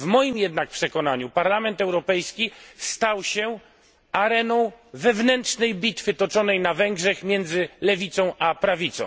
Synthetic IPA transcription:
vmɔjimjɛd̪nak̚pʂɛkɔn̪aɲupaɾlamɛnt̪ɛwɾɔpɛjskʲist̪awɕɛ | aɾɛnɔ̃w̃vɛvnɛntt͡ʂnɛjbʲit̪fɘt̪ɔt͡ʂɔnɛjnavɛŋɡʐɛxmʲjɛnd̪zɘlɛvʲit̪sɔ̃w̃ʔapɾavʲit̪sɔ̰̃w̃

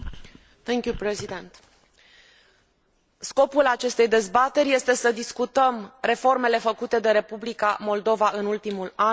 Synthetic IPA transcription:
θɛ̃ŋkjupɾezid̪ẽnt̪ | sko̞pulat͡ʃe̞st̪e̞jd̪e̞zbat̪e̞rʲje̞st̪e̞səd̪iskut̪əmre̞fo̞rme̞le̞fəkut̪e̞d̪e̞ɾe̞publikamo̞ld̪o̞vaʔɨnult̪imula

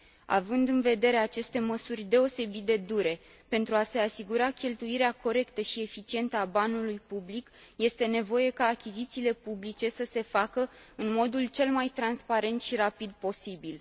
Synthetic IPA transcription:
a̰vɨnd̪ɨnve̞d̪e̞ɾeat͡ʃe̞st̪e̞məsurʲd̪e̞o̞se̞bit̪̚d̪e̞d̪uɾe̞ | pe̞nt̪ɾuase̞asiɡuɾakʲe̞lt̪uiɾeako̞ɾe̞kt̪əʃie̞fit͡ʃie̞nt̪əabanulujpublik | je̞st̪e̞ne̞vo̞je̞kaːkʲizit̪siːle̞publit͡ʃe̞səse̞fakəɨnmo̞d̪ult͡ʃe̞lmajt̪ɾanspaɾe̞nt̪ʃiɾapid̪̚po̞sibil

